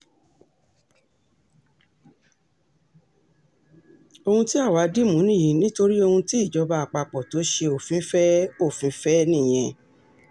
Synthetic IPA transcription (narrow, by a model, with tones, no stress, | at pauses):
o˧hũ˧ti˦a˦˨wa˨˦di˦mũ˨˦nĩ˦˨ĩ˨˦nĩ˦to˧ɾi˦o˧hũ˧ti˦i˦˨d͡ʒɔ˨˧˦ba˧a˨k͡pa˧˨k͡pɔ˨to˨˦ʃe˧o˨fĩ˨˦fɛ˦o˦˨fĩ˨˦fɛ˦nĩ˦˨j̃ɛ̃˧